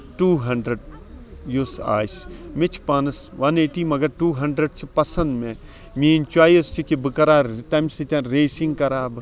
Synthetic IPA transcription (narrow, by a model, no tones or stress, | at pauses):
ʈuːɦɐɳɖɾɐɖ̚jusa̰ːsmɪt͡ʃʰpɐnɐsʋɐneːʈiːmɐɡɐɾʈuːɦɐɳɖɾəɖ̚t͡ʃʰipɐsɐnd̪mẽ | mĩːint͡ʃaːjɐst͡ʃʰikibɨkɐɾaːt̪ɐmsit̪ʲãnɾeːsĩŋɡkɐɾaːb